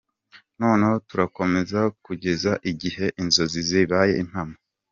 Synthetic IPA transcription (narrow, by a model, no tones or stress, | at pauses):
noːnehotuɾako̞me̞zakuɟe̞zaʔiɟihe̞ʔinzo̞ziziβaje̞̰ʔin̥hama